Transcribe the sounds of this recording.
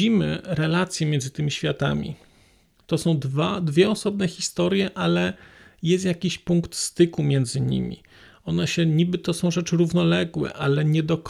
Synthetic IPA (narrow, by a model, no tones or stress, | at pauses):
imɘ̰ɾɛlat̪sʲjɛmʲjɛnd̪zɘt̪ɘmʲiɕfʲjat̪a̰mʲḭ | t̪ɔsɔ̃w̃d̪vad̪vʲjɛɔsɔbnɛxʲist̪ɔɾjɛʔalɛjɛst̪jakʲiɕpuŋkt̪st̪ɘkumʲjɛnd̪zɘɲḭmʲḭ | ɔnaɕɛɲibɘt̪ɔsɔ̃w̃ʐɛt͡ʂɘɾuvnɔlɛɡwɛ̰ʔalɛɲɛd̪ɔk